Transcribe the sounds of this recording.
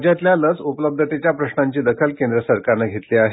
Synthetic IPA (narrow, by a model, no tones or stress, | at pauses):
d͡ʑjat̪ljalət͡supələb̚d̪ʱət̪et͡ɕjapɾəɕnaɲt͡ɕiːd̪əkʰəlkẽnd̪ɾəsəɾkaɾnaɡʱet̪liːaɦe